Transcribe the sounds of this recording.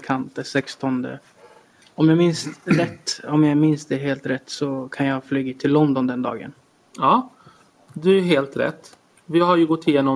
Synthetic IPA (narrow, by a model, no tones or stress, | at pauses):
kʰant̪ɛsɛkst̪ɔnd̪ə̰ | ɔmjɑːmɪnsɾɛt̪ːɔmjɑmɪnsd̪ɛɦeːlt̪ɾɛt̪ːsɔkʰanjɑːflyːɡat̪ʰɪlːɔnd̪ɔnd̪ɛnd̪ɑ̰ːɡə̰n | ɑː | d̪ɵæɾɦeːlt̪ɾɛ̰t̪ː | vɪhaɾjɵɡɔt̪ʰːɪjeːnɔ